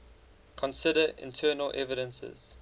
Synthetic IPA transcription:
kʰɔ̃nsɪdəʔɪ̰̃ntʰɜːnəlʔɛvɪɾə̃nsə̰z̥

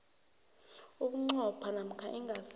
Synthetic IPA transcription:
uk̬ʼuŋ͡ǀɔpʰanam̩kʰaʔiŋas

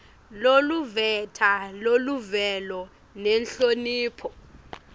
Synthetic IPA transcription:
loluvɛtʰaloluvɛlɔ | nɛnɬoniːpʰɔ

